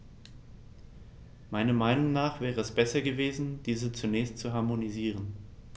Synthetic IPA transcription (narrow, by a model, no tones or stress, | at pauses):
maɪnɐmaɪnʊŋnaːχv̥ɛːʁəɛsb̥ɛsɐɡəveːzn̩d̥iːzət͡sunɛːçstt͡suɦaɐmoniziːʁ̞ən